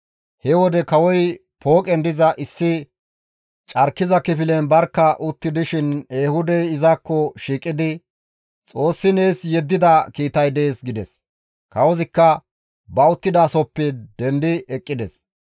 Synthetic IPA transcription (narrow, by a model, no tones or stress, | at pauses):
hɛwɔd̪ɛkɐwɔj | pʰoːkʼɛnd̪ɪzɐʔɪsːɪ | t͡ʃʼɐɾkːɪzɐkɪfɪlɛnbɐɾkːɐʔʊt̪ːɪd̪ɪʃɪneːhʊd̪ɛjɪzɐkːɔʃiːkʼːɪd̪ɪ | t͡sʼo̞ːsːɪne̞ːsjɛd̪ːɪd̪ɐkiːt̪ɐjd̪e̞ːsɡɪd̪ɛs | kɐwɔzɪkːɐ | bɐʊt̪ːɪd̪ɐːsɔpːɛd̪ɛnd̪ɪɛkʼːɪd̪ɛs